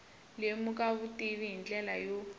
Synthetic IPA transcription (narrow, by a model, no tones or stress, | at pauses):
lemuk̬ʼaβutʼiβiɦint͡ɬɛlajo